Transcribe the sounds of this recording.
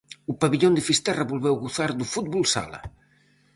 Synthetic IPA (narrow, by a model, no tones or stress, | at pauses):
upaβiʎond̪efist̪ɛrɐβulβɛwɣuθaɾd̪ufut̪bulsa̰lɐ̰